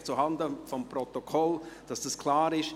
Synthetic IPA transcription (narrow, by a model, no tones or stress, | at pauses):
t͡suɦɑndəfɔmprɔt̪ɔkʰɔld̥ɑsd̥ɑskʰl̥aːɾɪʃ